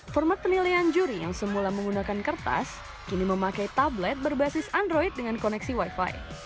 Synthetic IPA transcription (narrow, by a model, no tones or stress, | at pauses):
fɔrmat̪̚pənilajand͡ʒuɾijaŋsəmulaməŋɡunakankərt̪a̰s | kiniməmakajt̪ablɛt̪̚bərbasɪsandɾoit̪̚dəŋankɔnɛksiwajfa̰j